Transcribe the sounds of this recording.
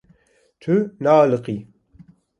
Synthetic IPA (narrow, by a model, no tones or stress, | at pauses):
t̪ʰunaːlɨqi